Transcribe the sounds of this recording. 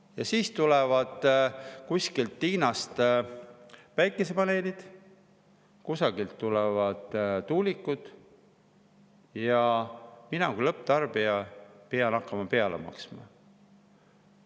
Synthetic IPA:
jɑsiːst̪ulɛvɑd̪̥kusʲkilt̪ːiːnɑst̪ | væjkːˑe̞se̞pɑne̞ːlid̪̥ | kusɑɡ̥ilt̪ːulɛvɑd̪̥t̪ːuːlikːˑud̪̥ | jɑminɑkujlɤpːˑt̪ɑrb̥iɑpeɑnɑkːˑɑmɑpe̞ɑlḛmɑ̰ksmɑ̰

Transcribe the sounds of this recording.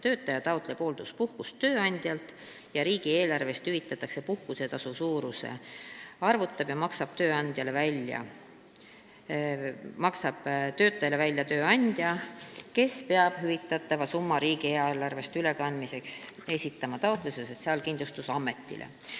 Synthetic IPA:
t̪ø̞ːt̪ːˑɑjɑt̪ɑwt̪ˑle̞po̞ːld̪̥uspuhkust̪ːø̞ːɑnʲd̪̥jɑlt̪ˑ | jɑɾiːɡ̥ie̞ːlɑrve̞st̪hyvit̪ːˑɑt̪ːˑɑkse̞puhkuse̞t̪ɑsusuːɾuse̞̰ɑrvut̪ːˑɑb̥jɑmɑksɑb̥̚t̪ø̞ːɑnd̪̥jɑle̞vælʲːjɑ̰ | mɑksɑb̥t̪ø̞ːt̪ːˑɑjɑle̞vælʲːjɑt̪ø̞ːɑnʲd̪̥jɑke̞spe̞ɑb̥ɦyvit̪ˑːɑt̪ˑːɑvɑsumːɑɾiːɡieːlɑrve̞st̪yle̞kɑnd̪mise̞kse̞sʲit̪ːˑɑmɑt̪ɑowt̪ˑluseso̞t̪siɑlkind̪lust̪usɑmːe̞t̪ːˑḭlʔḛ

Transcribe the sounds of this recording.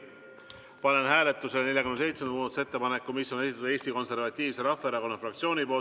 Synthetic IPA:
pɑne̞nhæːle̞t̪ˑːuselne̞ljɑkymnese̞jt̪send̪muːd̪ɑt̪u̥set̪ːe̞pɑnekːumisːo̞ne̞sit̪ːˑt̪ud̪e̞ːst̪iko̞nse̞rvɑt̪ʲˑːiːvse̞ɾɑfːˑeeɾɑko̞nɑfrɑk̚t̪sio̞ːnʲipo̞ːlt̪

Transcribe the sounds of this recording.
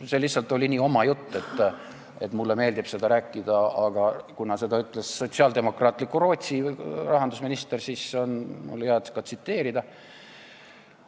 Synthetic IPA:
se̞lihsːɑlt̪ːˑo̞lʲiniːo̞mɑjut̪ˑːe̞t̪ːˑ | e̞t̪ːmulːeme̞ːld̪ib̥se̞d̪ɑɾæːkːˑid̪̥ɑɑɡ̥ɑkunɑse̞d̪ɑyt̪ːˑlesːo̞t̪siɑːld̪e̞mo̞krɑːt̪ˑlikːˑuɾo̞ːt̪ʲsirɑɦɑnd̪̥usminist̪e̞rsiːso̞nmṵlheɑd̪skɑsit̪ːe̞ːɾid̪̥ɑ

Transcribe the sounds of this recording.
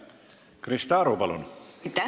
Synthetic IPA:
krist̪ɑːɾupɑlṵnt̪æ

